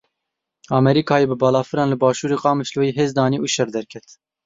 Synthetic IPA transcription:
ɑːmɛɾiːkʰɑːjeːbɨbɑːlɑːfɨɾɑːnlɨbɑːʃuːɾeːqɑːmɨʃlojiːɦeːzd̪ɑːniːʔuːʃɛɾd̪ɛɾkʰɛt̪

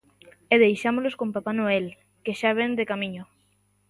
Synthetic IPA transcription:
eðejʃamoloskompapanoel | keʃaβ̞end̪ekamiɲʊ

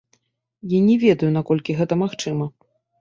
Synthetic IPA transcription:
janʲɛvʲɛd̪ɐjunakɔlʲkʲiɣɛt̪ɐmaxt͡ʂɨmɐ

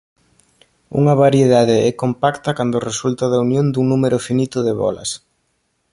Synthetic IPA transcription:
ṵŋɐβaɾjeðaðeɛkompakt̪ɐkand̪ʊresult̪aðaunjõnd̪uŋnumeɾʊfinit̪ʊðeβɔ̰lɐ̰s

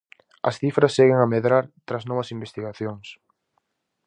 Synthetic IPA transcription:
ɐ̰sθifɾɐsːeɣɪŋɐmeðɾaɾt̪ɾaznɔβɐsimbest̪iɣaθjoŋs

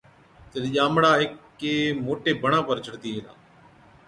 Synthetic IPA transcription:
t̪ed̪ʄaːmɽaːɦɪkː | eːmoːʈeːbʱəɳãːpəɾt͡ʃʰəɽt̪iːɦẽːla̰ː

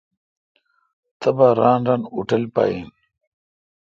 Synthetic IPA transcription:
t̪ɐbaːɾaːnɾaːnuʈɐlpa̰ːjin

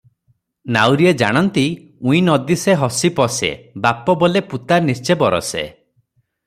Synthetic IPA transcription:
nawɾied͡ʒa̰ɽ̃ɔnt̪i | ũĩnɔd̪iseɦɔsipɔsḛbapɔbɔleput̪aɾnist͡ʃebɔɾɔ̰sḛ

